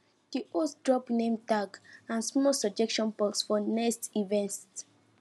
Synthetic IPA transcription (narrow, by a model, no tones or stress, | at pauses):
d̥iʔoddɹɔpnẽmtaɡãnsmɔsɔb̚d͡ʒɛkʃɔ̃npɔsfɔnɛkstivɛ̃nt